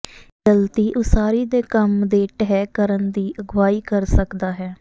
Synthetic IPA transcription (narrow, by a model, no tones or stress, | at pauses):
ɡəlt̪iːʔʊsaːɾiːd̪eːkəmd̪eːʈəɦɛːkəɾənd̪iːʔəɡʋaːiːkəɾsəkd̪aːɦɛː